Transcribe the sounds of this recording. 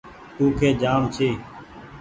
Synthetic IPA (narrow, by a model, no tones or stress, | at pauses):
t̪uːkʰeːd͡ʒaːmt͡ʃʰiː